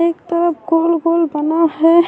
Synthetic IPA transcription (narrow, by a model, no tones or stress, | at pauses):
eːkt̪əɾəpɡolɡoːlbənaɦɛ